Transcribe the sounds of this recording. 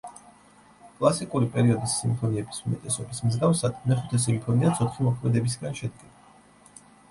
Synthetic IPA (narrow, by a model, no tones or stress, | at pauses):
kʼlˠasikʼuɾipʼɛɾiɔd̪isːimpʰɔniɛbisumɛt̪ʼɛsɔbismzɡafsad̪̥mɛχut̪ʰɛs̬impʰɔniat̪sʰɔt̪ʰχimɔkʰmɛd̪ɛbis̬ɡanʃɛd̪ɡɛd̪a